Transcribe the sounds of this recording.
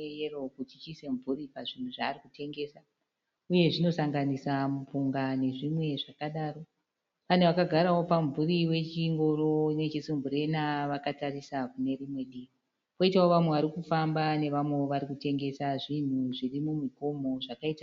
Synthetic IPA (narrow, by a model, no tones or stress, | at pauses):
ero̞kutit͡ʃise̞ɱvuɾipaʐin̤uʐaːrikute̞ŋɡe̞sa | uje̞ʐino̞saŋɡanisamup͡fuŋɡane̞ʐimwe̞ʐakaɗaːro̞ | pane̞ʋakaɡʱaɾawo̞paɱvuriwe̞t͡ʃiŋɡo̞ɾo̞inwet͡ʃesimbuɾe̞naʋakatarisakune̞ɾimwe̞ɗi | po̞itawoʋamweʋaɾikufambane̞ʋamwe̞oʋaɾikute̞ŋɡe̞saʐin̤uʐirimumiko̞mo̞ʐakaita